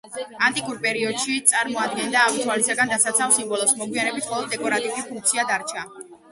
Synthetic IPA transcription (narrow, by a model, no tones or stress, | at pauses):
ant̪ʼikʼuɾpʼɛɾiɔd̪̥ʃit̪sʼaɾmɔad̪̚ɡɛnd̪aːvit̪ʰwalisaɡand̪asat̪sʰafsimbɔlˠɔsmɔɡwianɛbit̪ʰχɔlˠɔd̪ːɛkʼɔɾat̪ʼivlipʰuŋk̚t̪sʰiad̪aɾt͡ʃʰa